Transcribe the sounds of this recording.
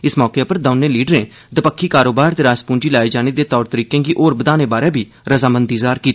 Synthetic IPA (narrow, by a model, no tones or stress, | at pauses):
ɪsmɔːkeːpəɾd̪əʊnẽːliːɖəɾẽː | d̪əpəkʰːiːkaːɾoːbaːɾt̪eːɾaːspũːɳd͡ʒiːlaːiːd͡ʒaːneːd̪eːt̪ɔːɾt̪əɾiːkẽːɡiːʔoːɾbəd̪aːneːbaːɾẽːbʱiː | ɾəzaːmənd̪iːzaːɾkiː